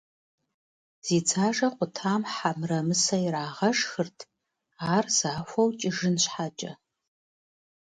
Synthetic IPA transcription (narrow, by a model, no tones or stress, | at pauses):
z̥iːt͡sʰaːʒɐqʷʊtʰaːmħamrɐmɨsɐjɾaːʁɐʂxɨrtʰ | aːrzaːxʷɐwt͡ʃʼɪʒɨnɕʷħat͡ʃʼɐ